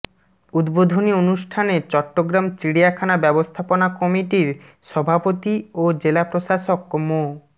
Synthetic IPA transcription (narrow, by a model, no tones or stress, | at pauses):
ud̪bod̪ʱonionuʃʈʰanet͡ɕɔʈːoɡɾamt͡ɕɾiɽiakʰanabɛbost̪ʰaponakɔmiʈiɾ | ʃɔbʱapot̪iod͡ʑelapɾoʃaʃokmo